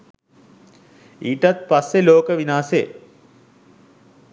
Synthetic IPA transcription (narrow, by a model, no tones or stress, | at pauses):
iːʈat̪̚pasːeloːkəʋinaːsḛ